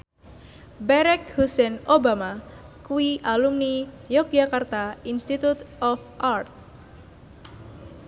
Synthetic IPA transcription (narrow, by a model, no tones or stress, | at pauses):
bɛɾɛk̚husɛnobama | kuwiʔalumni | jɔk̚d͡ʒakart̪ainst̪it̪ut̪ɔfʔart̪̚